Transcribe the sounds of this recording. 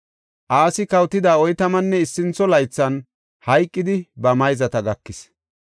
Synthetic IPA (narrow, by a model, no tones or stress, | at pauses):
ʔaːsɪkɐwt̪ːɪd̪aːɔjt̪ɐmɐnːɛɪsːɪnt͡sːɔlɐjt͡sːɐn | hɐjkʼːɪd̪ɪbɐmɐjzɐt̪ɐɡɐkːɪs